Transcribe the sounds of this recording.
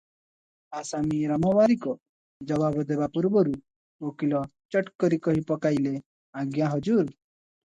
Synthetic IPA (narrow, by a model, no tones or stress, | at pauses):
asamiɾamɔʋaɾikɔ | d͡ʒʌbabd̪ebapuɾbɔɾu | okilɔt͡ʃʌʈkɔɾikɔɦipɔkajle | aɡjaɦʌd͡ʒuɾ